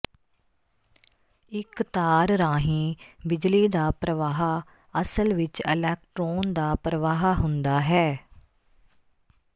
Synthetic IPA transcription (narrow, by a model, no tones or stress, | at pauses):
ɪkt̪aːɾɾaːɦĩːbɪd͡ʒliːd̪aːpɾəʋaːɦaː | əsəlʋɪt͡ʃɪlɛːk̚ʈɾoːnd̪aːpɾəʋaːɦaɦʊnd̪aːɦɛː